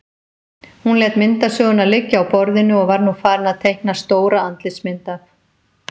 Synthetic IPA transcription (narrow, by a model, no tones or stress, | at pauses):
hunlɛːt̪mɪnt̪asœːɣʏnalɪcːawpɔɾðɪnːʏɔɣvaɾnufaːɾɪnaðt̪ʰejhk̚nast̪oːwɾaant̪lɪsmɪnt̪a